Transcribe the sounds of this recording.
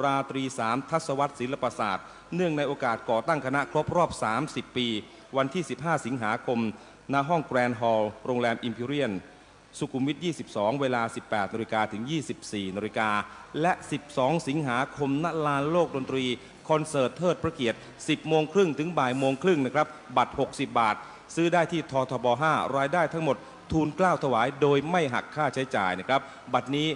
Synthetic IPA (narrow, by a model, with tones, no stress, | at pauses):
ɾaː˧t̪ɾiː˧saː˩˦mt̪ʰa˦˥t̪̚sa˧wa˦˥t̪̚si˩˦nla˧paː˧sa̰ː˨˩t̪̚ | nɯ˥˩əŋna˧jʔoː˧kaː˨˩t̪̚kɔː˨˩t̪a˥˩ŋkʰa˧na˦˥kʰɾo˦˥p̚ɾɔː˥˩p̚saː˩˦msi˨˩pːiː˧ | wa˧nt̪ʰiː˥˩si˨˩p̚ɦaː˥˩si˩˦ŋɦaː˩˦kʰo˧m | na˦˥ɦɔ˥˩ŋkɾɛː˧nɦɔː˧wɾoː˧ŋlɛː˧mʔi˧mpʰiː˧ɾi˥˩ən | su˨˩kʰu˧mːi˦˥t̪̚jiː˥˩si˨˩p̚sɔː˩˦ŋweː˧laː˧si˨˩pːɛː˨˩t̪̚na˧ɾi˧kaː˧t̪ʰɯ˩˦ŋjiː˥˩si˨˩p̚siː˨˩naː˧ɾi˧kaː˧lɛ˦˥ʔsi˨˩p̚sɔː˩˦ŋsi˩˦ŋɦaː˩˦kʰo˧mna˦˥laː˧nloː˥˩k̚do˧nt̪ɾiː˧ | kʰɔ˧nsɤː˨˩t̪ʰːɤː˥˩t̪̚pɾa˧ki˨˩ət̪̚ | si˨˩p̚moː˧ŋkʰɾɯ˥˩ŋt̪ʰɯ˩˦ŋbaː˨˩j̪moː˧ŋkʰɾɯ˥˩ŋna˦˥˩kʰɾa˦˥p̚ba˨˩t̪̚ho˨˩k̚si˨˩p̚baː˨˩t̪̚ | sɯː˦˥daː˥˩jt̪ʰiː˥˩t̪ʰɔː˧t̪ʰɔː˧bɔː˧ɦaː˥˩ɾaː˧jdaː˥˩jt̪ʰa˦˥ŋmo˨˩t̪̚ʰːuː˧nklaː˥˩wt̪ʰa˧waː˩˦jdoː˧jma˥˩jɦa̰˨˩kʰːaː˥˩t͡ɕʰa˦˥jt͡ɕaː˨˩jna˦˥˩kʰɾa˦˥p̚ | ba˨˩t̪̚niː˦˥